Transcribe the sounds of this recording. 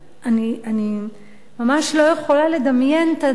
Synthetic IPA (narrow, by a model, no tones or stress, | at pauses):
ʔaniani | mamaʃlo̞jeχo̞lale̞d̪amje̞nt̪a